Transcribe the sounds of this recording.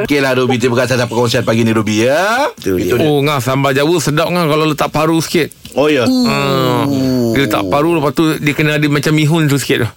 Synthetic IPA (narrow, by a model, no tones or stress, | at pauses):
keladobit̪̬ibəkaʔsat̪apəkɔnsian̚paɡiniɾubiə | oŋahsambad͡ʒawəʔsədaʔ̚ŋahkalalot̪aʔpaɾusə̥kɪt̪̚ | ojəə̃ | dit̪a̰ʔpaɾuləpast̪udiəkənəadəmat͡ʃamːiɦʊns̬usə̥kɪt̪̚ʊh